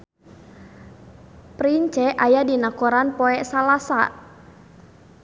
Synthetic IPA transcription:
pɾiɲt͡ʃɛʔajadinakɔɾanpɔɛʔsalasa̰

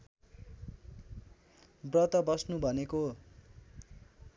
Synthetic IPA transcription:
brʌt̪ʌbʌsnubʱʌneko

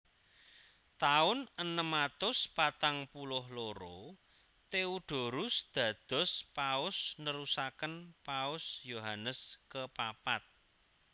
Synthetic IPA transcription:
t̪aʊnənəmat̪ʊspat̪aŋpulʊhloɾo | t̪euɖ̪̥o̤ɾʊsd̪̥ä̤d̪̥ɔ̤spaʊsnəɾusakənpaʊsjoɦanəskəpapat̪̚

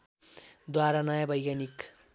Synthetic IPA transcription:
d̪waɾanʌjabʌjɡanik

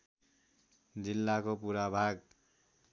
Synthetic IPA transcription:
d͡zilːakopuɾabʱaɡ

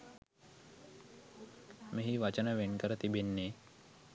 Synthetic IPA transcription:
meɦiʋat͡ʃənəʋenkəɾət̪ibenːeː

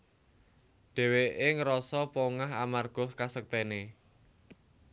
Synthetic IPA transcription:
ɖ̥ɛ̤weʔeŋəɾɔsɔpoŋaɦamarɡ̥ɔ̤skasək̚t̪ɛne

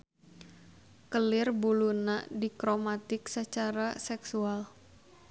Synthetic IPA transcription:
kəlɪrbulunaʔdikɾomat̪ɪksət͡ʃaɾasɛksual

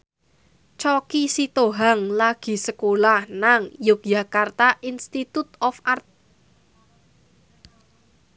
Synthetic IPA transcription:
t͡ʃɔkisit̪oɦaŋlaɡ̥i̤səkolahnaŋjʊk̚jakart̪aʔinst̪it̪ut̪ɔfart̪̚

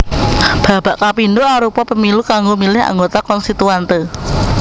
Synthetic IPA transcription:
b̥a̤b̥aʔkapindoaɾupɔpəmilukaŋɡomilɪɦa̰ŋɡot̪akɔnst̪it̪uant̪e

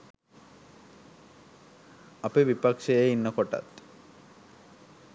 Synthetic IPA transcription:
apebipakʃejeinːəkɔʈa̰t̪

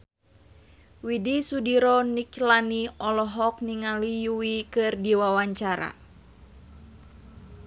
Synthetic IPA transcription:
widisudiɾɔniklaniɔlɔɦɔk̚niŋalijuwikɨrdiwawaɲt͡ʃaɾa̰

